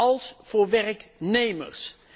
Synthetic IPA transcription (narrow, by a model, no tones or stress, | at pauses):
ɑlˠsv̥ʊːɹʋɛrknejmə̰ɹs